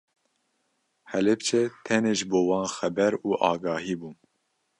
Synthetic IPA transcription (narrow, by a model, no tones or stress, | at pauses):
hɛlɛpt͡ʃʰɛt̪ʰɛneːʒboːwɑːnxɛbɛɾuːʔɑːɡɑːɦiːbuː